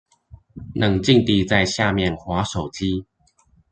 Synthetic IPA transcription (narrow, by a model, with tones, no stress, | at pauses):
nʔə˨˩ŋt͡ɕi˥˧ŋt̪i˥˧t͡sa˥˧ɪɕja˥˧mjɛ˥˨nxwa˨˦ʂo˨˩ʊt͡ɕi˦